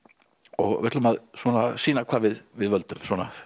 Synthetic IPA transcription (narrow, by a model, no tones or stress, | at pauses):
ɔɣvɛ̥t̪lʏmaðswɔnasiːnakʰvaːvɪðvɪðvœlt̪ʏmswɔːna